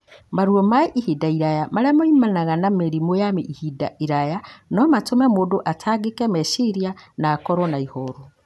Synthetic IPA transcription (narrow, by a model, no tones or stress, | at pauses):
maɾuɔmaiʔihidaiɾajamaɾɛamɔimanaɣanameɾimojameʔihida̰iɾajanɔmatomɛmoːdoʔatʰaːɡekɛmɛʃiɾianaːkɔɾɔnaihɔɾo